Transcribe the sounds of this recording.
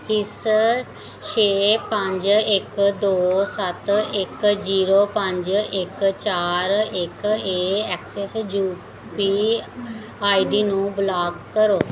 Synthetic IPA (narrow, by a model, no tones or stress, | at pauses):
ɪs | ʃʰeːpə̃ɲd͡ʒɪkd̪oːsət̪ɪkd͡ʒiːɾoːpəɲd͡ʒɪkt͡ʃaːɾɪkeːɛːksɛsd͡ʒuː | piː | aːiɖiːnũːblaːkːəɾoː